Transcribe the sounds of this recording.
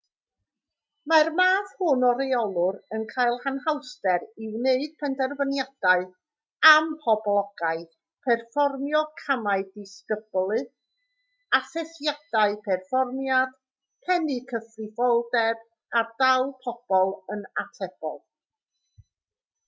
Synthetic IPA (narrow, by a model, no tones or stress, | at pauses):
marmaːθhʊnɔɾɛɔlˠʊɾənkʰajlˠhanɦawstɛɾɪwneɨd̥̚pʰɛndɛrvənjad̥aɨ | ampʰɔblˠɔɡ̥aɨ | pʰɛrfɔrmjɔkʰamaɨdɪskəb̥lˠɨ | aθɛθjad̥aɨpʰɛrfɔrmjad̥ | pʰɛnɨkʰəfrɪvɔlˠdɛb | ardawlˠpʰɔb̥ɔlˠənatʰɛb̥ɔ̰lˠ